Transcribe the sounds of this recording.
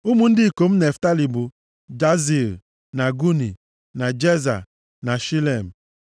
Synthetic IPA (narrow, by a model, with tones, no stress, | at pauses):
u˦mu˨n̩˦dɪ˦˨ko˨m̩˦ne˨fta˦li˨bu˨ | d͡ʒa˦zi˨l | na˨ɡu˦ni˨ | na˨d͡ʒe˦za̰˨ | na˨ʃi˦le˨m̩˨